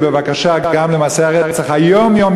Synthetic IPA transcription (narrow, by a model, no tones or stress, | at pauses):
bəvakaʃaɡaɡamləmaːseaʁɛʁɛt͡saχajɔmjɔm